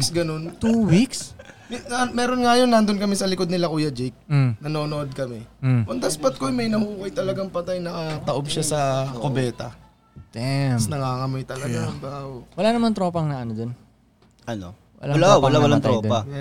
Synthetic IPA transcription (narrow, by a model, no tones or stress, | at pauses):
ksɡɐno̞nt̪uwiksmamɛːɾonŋajonːɐnd̪onkɐmɛsɐlɪkod̪nɪlakuːjɐd͡ʒɛk̚nɐno̞ːnoʔod̪̚kɐmɛʔɐnd̪ɐsbɐt̪̚kojmɐjnɐhuːkɐjt̪ɐlɐɡaŋpɐt̪ajnɐkɐt̪ɐʔomʃasɐkobɛːt̪ɐ | t̪ɛsnɐŋaːŋɐmojt̪ɐlɐɡambaowɐlanɐmant̪ɾoːpɐŋnaʔɐnod̪on | ʔɐno̰ | wɐ̰lalawɐlawɐlat̪ɾod̪pɐ